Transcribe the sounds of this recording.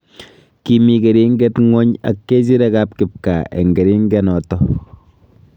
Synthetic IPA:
ki˨mi˨ke˨ɾi˦ŋɡe˦tŋɔ˦ɲa̰˨kːe˦t͡ʃ̬i˦ɾe˦ka˦p̚kɪ˨p̚ka˨ḛ˨ŋɡe˨ɾi˦ŋɡɛ˦nɔ˨tɔ˦

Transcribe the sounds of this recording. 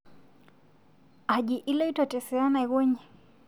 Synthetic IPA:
a˨ʄi˨ʔi˦lɔ˦i˦tɔtɛ˨sɛ˨a˦na˨i˨ɣɔ˦ɲɛ˨

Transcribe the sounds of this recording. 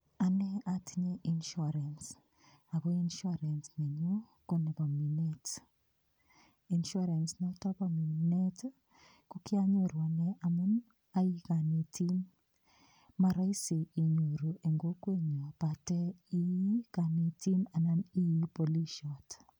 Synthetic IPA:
a˨nɛ˦a˦tʰi˦ɲe˦ʔi˨nʃu˦ɾa˨ns | a˨ɣo˦i˦nʃu˦ɾa˨nsne˨ɲo˦ | ko˦nɛ˨ba˨mi˨ne˦t | i˨nʃa˦ɾa˨nsnɔ˦tɔ˦ba˨mu˨ne˦t | ku˦kɪ˦a˦ɲo˨ɾu˨a˨nɛ˦ʔa˨mu˦n | a˦ji˦ka˨ne˨tʰi˦n | ma˨ɾa˦i˦si˨i˨ɲo˨ɾu˨ʔe˨ŋɡo˦kwe˦ɲo˨b̥a˨tɛ˦i˦i˦ka˨ne˨ti˦na˨na˦ni˦ji˦po˨li˦ʃɔt

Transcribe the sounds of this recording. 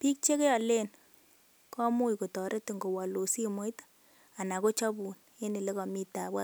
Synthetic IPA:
pi˦k̚t͡ʃe˦ke˦jɔ˨le˦n | kʰɔ˦mu˦jko˨tɔ˨ɾʔe˦ti˨ŋɡo˨wa˨lo˨si˦˨mo˦jt | a˨na˨ko˦t͡ʃa˦bu˨n | e˦ni˨le˦kɔ˨mi˦ta˨bwa˦

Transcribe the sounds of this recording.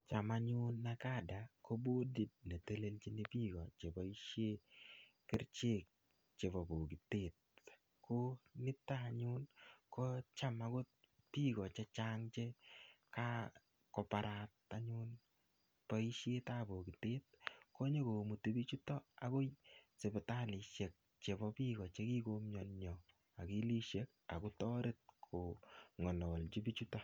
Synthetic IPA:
t͡ʃa˨ma˦ɲʊ˦nːa˦ka˦da˨ko˦bo˦di˨t̚ne˨te˦le˦lt͡ʃi˦ni˦pi˦ɡɔ˨t͡ʃe˨bɔ˨i˦ʃje˦kɪ˦ɾt͡ʃe˦˨k̚ | t͡ʃe˨bɔ˨bo˨ɡɪ˨tɪ˨t̚ | kʊ˦nɪ˦taː˦˨ɲʊ˦nkɔ˦t͡ʃa˦ma˨ɡʊ˦t̪̚ | pi˦ɡɔ˨t͡ʃe˦t͡ʃa˦ŋt͡ʃe˦ka˦ | kɔ˨pa˨ɾa˨ta˦ɲu˦n | pɔ˦i˦ʃe˦tabo˨ki˨te˦t̚kɔ˦ɲe˦ko˨mu˨ti˦bi˦t͡ʃu˦tɔ˦a̰˨ko˦jse˨bɛ˨ta˦li˨ʃje˨k̚ | t͡ʃe˨bɔ˦pi˦kɔ˨t͡ʃe˦ki˦ko˦mɲɔ˨nɲɔ˨ | a˨ki˦li˦ʃe˦k̚ | a̰˨ku˦tɔ˦ɾe˦t̚kʰo˨ŋɔ˨lɔ˨lt͡ʃi˦bi˦t͡ʃu˦tɔ˦

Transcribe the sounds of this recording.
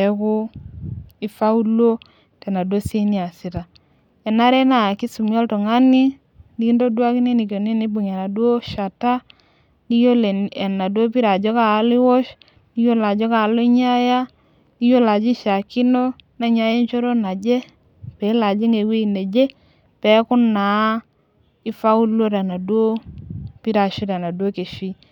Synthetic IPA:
e˨kʊ˦ | i˨fa˦u˦lo˦ | te˨na˨dwo˦si˦ni˦a˨si˨ta˨ | e˨na˦ɾe˦na˨ki˦su˨mjo˦lto˨ŋa˦ni˦ | ni˦ki˦ndo˦dwa˦ki˦ni˦ni˨ko˨ni˦ni˦bu˨ɲe˨na˨dwo˦ʃa˨ta˦ | ni˦jo˦le˨e˨na˨du˦o˦pi˦ɾa˨d͡ʒo˦kaː˦li˦wo˦ʃ | ni˦jo˦la˨d͡ʒo˦ka˨lo˦ɲa˦ja˦ | ni˦jo˦la˨d͡ʒi˦ʃa˨ki˦no˦na˦ɲa˦je˦nt͡ʃo˦ɾo˦na˨d͡ʒe˦ | pɛ˨˦la˨d͡ʒi˦ŋe˨we˦i˨ne˨d͡ʒe˦ | pɛ˨˦kʊ˦na˨˦ | ɪ˦fa˦u˦lo˦ɾa˨na˨dwo˦pi˦ɾa˨ʃi˦ɾa˨na˨du˦o˦ke˨ʃi˦

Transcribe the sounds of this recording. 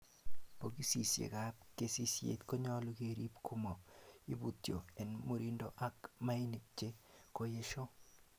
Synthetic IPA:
po˨ɡi˦si˨sjḛ˨ka˦pke˦si˦sjḛ˨t̪ko˦ɲɔ˦lo˦ɡe˦˨ɾi˦pkʰu˦mo˨i˦bu˨tjo˨ɛ˨nmo˦ɾi˦ndo˦ʔa˦kma˦i˦ni˨k̚t͡ʃe˦ko˦je˦ʃo˦

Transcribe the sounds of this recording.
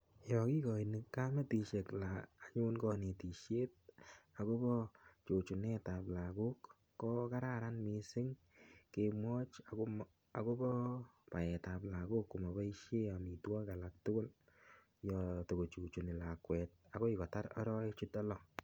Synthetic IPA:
jɔ˨ki˦kɔ˨i˨nɪ˨ka˦mɛ˦ti˧ʃe˨klaː˨ɲʊ˦nkɔ˧ne˨ti˨ʃje˦t̚a˨ko˦bɔ˦t͡ʃo˨t͡ʃu˨nɛ˦ta˨pla˨ku˦kː | ɔ˦ka˦ɾa˦ɾa˦nmi˧sɪ˦ŋ | ke˧mwɔ˦t͡ʃa˨ | a˨ko˦bɔ˦pa˨ɛ˨ta˨pla˨ɡu˦kːu˨ma˨ba˦i˦ʃe˦a˨mi˨twa˦ka˨la˨k̚tʊ˦ɡʊ˦l | jɔ˨to˨ko˨t͡ʃu˨t͡ʃu˨nɪ˨la˨kwɛ˨t̚a˨kɔ˦i˨kɔ˨ta˦ɾɔ˦ɾɔ˦ɪt͡ʃu˦tɔ˦lɔ˨

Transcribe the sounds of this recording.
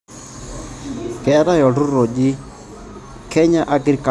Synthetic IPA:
kɛ˨˦ɾa˦jɔ˨du˦ɾo˨ɗi˦ | kʰɛ˦ɲa˦ʔa˦ɡɾi˨˦ka˨

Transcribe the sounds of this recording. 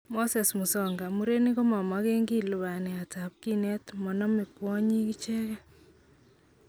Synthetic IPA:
mo˦sɛ˨smu˨sɔ˦ŋɡa˨mu˦ɾe˦nɪ˦kɔ˦ma˨ma˦ke˦ŋɡi˦lʊ˨βa˨nɪ˨a˨tap̚ki˦nɛ˦tmɔ˨nɔ˦mɪ˨kwɔ˦ɲi˦ki˦t͡ʃɛ˦kɛ˦

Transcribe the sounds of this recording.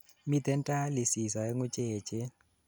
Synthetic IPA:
mi˦tɛ˦ntʼa˦li˨si˨sa˨ɛ˦ŋʊ˦t͡ʃʼeː˨t͡ʃʼe˦

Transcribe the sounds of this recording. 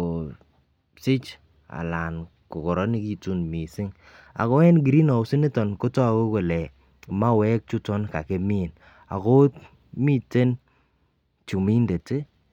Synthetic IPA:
o˨ | sɪ˦t͡ʃ | a̰˨la˨n | ko˨kɔ˨ɾɔ˦ni˦ki˦tu˦nmi˨sɪ˦ŋ | a̰˨kɔ˦ɛ˦nɡ̬i˨ɾi˦nɔ˨ʊ˦si˦ne˦tɔ˨nko˦tɔ˦a˨ko˦ko˨lɛ˨ | ma˦wɛ˦k̚t͡ʃu˦tɔ˦nka̰˨ke˦mi˦˨n | a̰˨ko˦t | mi˦te˦n | t͡ʃu˨mi˦nde˨te˦

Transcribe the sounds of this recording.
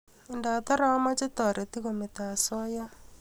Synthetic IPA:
e˨nda˨t̪ɔ˦ɾa˦wa˦ma˦t͡ʃe˦tɔ˨ɾʔe˨ti˦ɣo˨me˨ta˨sɔ˦ja˦

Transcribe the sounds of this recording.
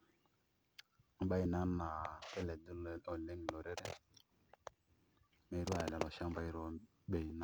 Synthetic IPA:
m̩˦ɓa˦i˦˨na˦na˨pe˦lɛ˨du˦lo˨le˦ŋ˨lo˨ɾe˦ɾe˦ | me˨˦ɾu˦a˨lɛ˨lo˨ʃa˦m˦ba˦i˦ɾo˦ | ɓe˨na˨

